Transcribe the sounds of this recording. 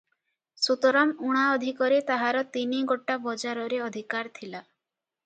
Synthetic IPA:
sut̪ɔɾamuɽ̃aɔd̪ʱikɔɾet̪aɦaɾɔt̪iniɡoʈabɔd͡ʒaɾɔɾeɔd̪ʱikaɾt̪ʰila

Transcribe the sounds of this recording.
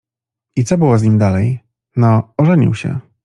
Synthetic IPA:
it̪sɔbɘwɔzɲimd̪alɛj | nɔɔʐɛɲḭwɕɛ̰

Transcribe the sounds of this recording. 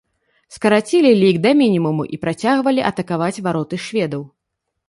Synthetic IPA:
skɐɾat͡sʲilʲilʲiɡd̪ɐmʲinʲimumuʔipɾat͡sʲaɣvɐlʲiʔɐt̪ɐkavat͡sʲvaɾɔt̪ɨʃvʲɛd̪ɐw

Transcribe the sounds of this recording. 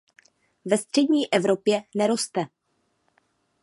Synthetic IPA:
vɛst̪r̝̥ɛdɲiːʔɛvɾo̞pjɛnɛɾo̞st̪ɛ

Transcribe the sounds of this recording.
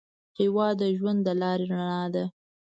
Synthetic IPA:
hewɑd̪əʒwand̪ːəlɑɾeɾaɳɑd̪a

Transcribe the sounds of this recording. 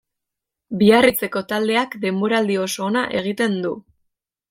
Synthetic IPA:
biarit͡se̞ko̞t̪ald̪e̞akd̪e̞mbo̞ɾaːld̪io̞so̞ːnaʔe̞ɣ̞it̪e̞nd̪u

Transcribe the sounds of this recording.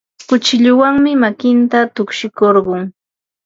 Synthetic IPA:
kʊt͡ʃɪʎʊwaŋmɪmakɪnt̪at̪ʊkʃɪkoɾɢʊŋ

